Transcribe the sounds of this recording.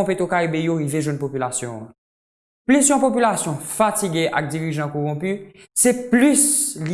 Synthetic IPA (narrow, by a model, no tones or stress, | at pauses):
ɔ̃pet̪okaibejoɣiveʒwɛ̃npopylasjɔ̰̃ã̰ | plysjɔ̃pop̬ylasjɔ̃fatiɡeʔa̰k̚d͡ziʁiʒɑ̃koʁɔ̃py | sɛplysl